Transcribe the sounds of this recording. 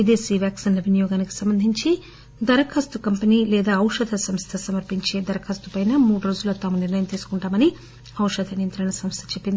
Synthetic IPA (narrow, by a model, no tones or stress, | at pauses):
ʋid̪eːsiːʋjaːksiːnlɐʋinijɔːɡaːniki̥sɐmbɐnd̪ʱiɲt͡ʃi | d̪ɐɾɐkʰɐst̪ukɐmpɐniːlɛːd̪aːɐwʂɐd̪ʰʱɐsɐmst̪ʰɐsɐmɐɾpiɲt͡ʃe̞ːd̪ɐɾɐkʰɐst̪upɐjnɐmuːɽuɾoːd͡ʒuloːt̪aːmuniɾnɐjɐmt̪iːsu̥kuɳʈaːmɐni | ɐwʂɐd̪ʱɐnijɐnt̪ɾɐɳɐsɐmst̪ʰɐ̥t͡ʃepːind̪i